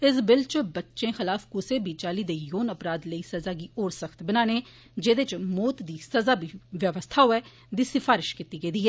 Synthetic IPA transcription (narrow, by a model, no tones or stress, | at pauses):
ɪs̬bɪlt͡ʃbətːʃẽːxɪlaːfkʊseːbʱiːt͡ʃaːliːd̪eːjoːnəpɾaːd̪ləiːsəzaːɡiːoːɾsəkʰt̪bənaːneː | d͡ʒeːd̪et͡ʃmoːt̪d̪iːsəzaːbʱiːʋjəʋəst̪ʰaːɦoɛː | d̪iːsɪfʰaːɾɪʃkiːt̪iːɡəiːd̪iːɦɛː